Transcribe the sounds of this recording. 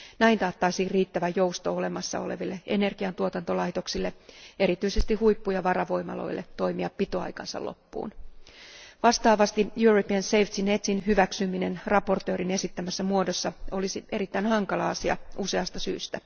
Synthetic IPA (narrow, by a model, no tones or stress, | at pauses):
næint̪ɑːt̪ːɑisiːrriːt̪ːæʋæjowst̪o̞ole̞mɑsːɑ̰o̞̰le̞̰ʋilːee̞ne̞rɡ̥iɑnt̪uot̪ɑnt̪o̞lɑjt̪o̞ksilːe̞e̞ɾit̪yise̞st̪ihujpːujɑʋɑɾɑʋo̞jmɑ̰lo̞̰ilːḛt̪o̞jmiɑpːit̪oɑ̰jkɑ̰nsɑ̰lo̰pːṵːn | ʋɑst̪ɑːʋɑst̪ijuropiɑnsejft̪inet̪sinhyʋæksymine̞nrɑpo̞rt̪ø̞ːɾine̞sit̪ːæmæsːæmuodosːɑo̞lisie̞ɾit̪ːæinhɑŋkɑlɑɑsiɑ̰ʔuse̞ɑst̪ɑsy̰ːst̪æ